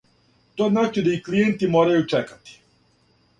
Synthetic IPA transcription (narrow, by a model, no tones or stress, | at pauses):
t̪oznaːt͡ʃid̪aiklijent̪imoːɾajut͡ʂekḁt̪i̥